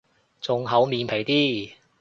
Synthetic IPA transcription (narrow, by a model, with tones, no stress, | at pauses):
t͡sʊ˨ŋɦɐ˨˥wmiː˨˧npʰe˨˩jt̪iː˥